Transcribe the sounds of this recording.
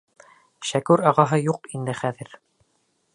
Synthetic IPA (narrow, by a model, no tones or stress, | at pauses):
ʃækʉɾɑʁɑɦɤjuqind̪ɘχæðɘɾ